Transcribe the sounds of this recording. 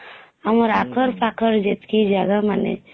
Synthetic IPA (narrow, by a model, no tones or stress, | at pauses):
amɾakʰəɾpakəɾd͡ʒet̪kid͡ʒaɡamanḛ